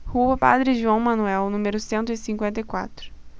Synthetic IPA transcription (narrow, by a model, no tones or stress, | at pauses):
huɐpa̰d̪ɾɪʒuɐ̃w̃mɐ̃nuɛwnũmeɾʊsẽnt̪ʊisĩŋkwẽnt̪ɐjkwa̰t̪ɾʊ̥